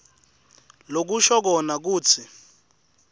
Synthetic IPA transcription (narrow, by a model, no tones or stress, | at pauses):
lok̬uʃɔk̬ɔnak̬uːt͡sʰi